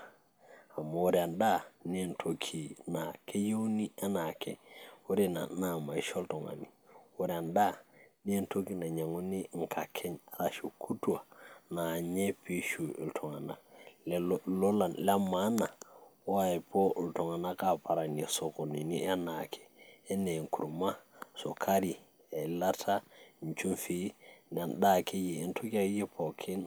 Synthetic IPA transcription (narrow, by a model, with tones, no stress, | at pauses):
a˨ma˨u˦ɾi˨a˨nda˦˨n˦˨ntʰo˨kʰi˨na˨kʰe˦je˦wni˦a˦na˨kʰɛ̰˨u˦ɾe˦na̰˨na˨ma˨i˦ʃɔ˦ltɔ˨ŋa̰˨ni˨wu˦ɾia˨nda˦ni˦e˦nto˦ki˦na˨ɲa˨ŋu˦ni˦ŋ̩˨kʰa˨kʰɛ˦ɲa˨ɾa˦ʃu˨kʰu˦tu˦a˨na˨ɲɛ˦pi˦ʃu˨ḭ˨ltʰɔ˨ŋa̰˨na̰˨ | lɔ˦la˨la˦ma˦na˨wa˦i˨po˦˨lto˨ŋa˨na˦ka˨pa˨ɾa˨ne˨so˨ko˨ni˨nḭ˦a˦na˨kʰe̥ː˨˦ne˨ŋku˨ɾuma˦so˨kʰa˦ɾi˨ | e˨la˦tʰa˦˨ɲt͡ʃu˦nfi˦n˨a˨nɗa˦ke˦jiː˨˦ntʰo˦ki˦a˨˦je˦pʰo˨kʰi˦n